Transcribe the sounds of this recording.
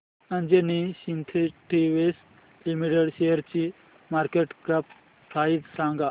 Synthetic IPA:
ɐnd͡ʒeniɕint̪ʰiʈiʋes | limiʈeɽɕejəɾt͡ɕi | maːɾkeʈkɾɐp̚ | kʰaːit̪sãːŋɡa

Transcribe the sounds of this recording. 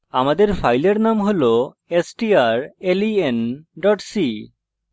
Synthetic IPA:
amad̪eɾfʰajleɾnamɦolo | esʈiaɾelienɖɔʈsi

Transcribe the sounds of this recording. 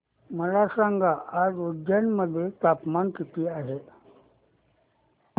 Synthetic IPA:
məlasaŋɡaad͡zud̪janməd̪ʱːjet̪apmankit̪iːaɦe

